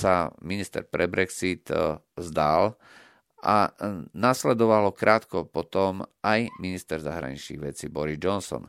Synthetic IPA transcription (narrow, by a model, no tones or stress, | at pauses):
saminist̪ɛ̰ɾpɾɛbɾɛksit̪ | zd̪al | ʔanaslɛd̪ɔʋalɔkɾʔaːt̪kɔpɔt̪ɔmajminist̪ɛɾzaɦɾa̰ɲḭt͡ʃnḭɣʋɛt͡sibɔɾizd͡ʒɔnsɔ̰n